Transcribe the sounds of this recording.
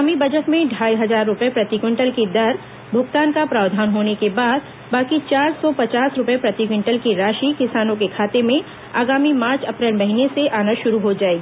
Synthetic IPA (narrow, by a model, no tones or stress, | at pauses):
aːmibɐd͡ʒəʈmẽɖʱaːiɦɐzaːɾːʊpjepɾɐt̪ɪɡwɪ̃ɳʈəlkid̪ɐɾ | bʱʊɡt̪aːnkapɾaːʋd̪ʱaːnɦoːnekebaːd̪̚ | baːkit͡ʃaːɾsɔpɐt͡ʃaːsɾʊpjepɾɐt̪ɪkwɪ̃ɳʈəlkiɾaːʃikɪsaːnõkekʰaːt̪emẽ | aːɡaːmimaːɾt͡ʃɐpɾeːlmɐɦineseʔaːnə̃ʃʊɾuɦod͡ʒaːeɡiː